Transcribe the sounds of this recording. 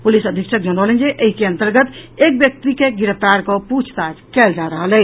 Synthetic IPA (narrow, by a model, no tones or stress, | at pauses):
pulisəd̪ʱikʃʰək̚d͡ʒəñəwlend͡ʒeʔəɦikeənt̪əɾɡət̪ek̚bjək̚t̪ikeɡiɾəft̪aɾkɔput͡ʃʰt̪ad͡ʒkɛld͡ʒaɾəɦələ